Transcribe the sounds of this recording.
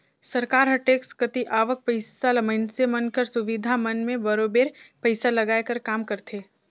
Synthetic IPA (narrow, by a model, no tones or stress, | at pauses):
sɐɾkaːɾɦɐʈeːkskɐt̪iʔaːʋək̚pəɪsalɐməɪnsemɐnkəɾsʊʋid̪ʱamɐnmẽbɐɾobeːɾpəɪsalɐɡaːekɐɾkaːmkɐɾt̪ʰeː